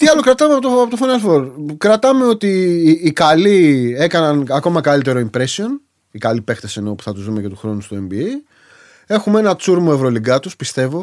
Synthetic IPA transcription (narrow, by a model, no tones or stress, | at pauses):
t̪iɐlo̞kɾɐt̪ɐmeɐpot̪oɐpot̪ofɐnɐlfoɾkɾɐt̪ɐme̞o̞t̪iːkɐlie̞kɐnɐnɐko̞mɐkɐlit̪e̞ɾo̞impɾe̞sio̞n | ikɐlipe̞xt̪e̞se̞no̞pu̥θɐt̪uzðumecet̪uxɾo̞nust̪oe̞mbie | e̞xumee̞nɐt͡suɾmoe̞vɾo̞liɡɐt̪uspist̪e̞vo̞